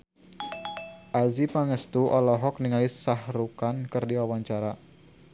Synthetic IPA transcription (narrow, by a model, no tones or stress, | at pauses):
ʔazipaŋəst̪uʔɔlɔɦɔk̚niŋalisahɾukankərdiwawaɲt͡ʃaɾa